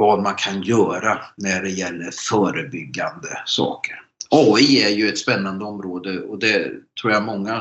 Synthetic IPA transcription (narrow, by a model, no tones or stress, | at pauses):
vɑːd̪mankʰanjœːɾanæɖɛjɛlːəɾfœːɾəbʏɡːand̪əsɑ̰ːkəɾɑːiæɾjɵɛt̪spɛnːand̪əɔmɾoːd̪əɔd̪ɛt̪ʰɾuːɾjamɔŋːa